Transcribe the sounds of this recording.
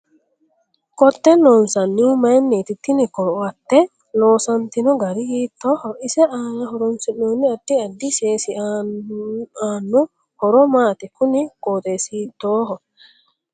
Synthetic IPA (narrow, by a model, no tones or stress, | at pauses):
kɔt̪ːɛnɔnsɐnːimanːet̪it̪ːinikɔɾwɐt̪ːɛ | loːsɐnt̪inɔɡɐɾihiːt̪ːɔːhɔisɛʔaːŋɐɦɔɾɔnsinːoːnːiadːiɐdːiseːsia | aːnːu | hɔɾɔmaːt̪ɛkunikoːt̪esiːt̪ːoːɦɔ